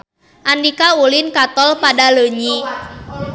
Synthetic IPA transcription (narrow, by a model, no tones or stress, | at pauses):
ʔandikaulinkat̪ɔlpadaləɲi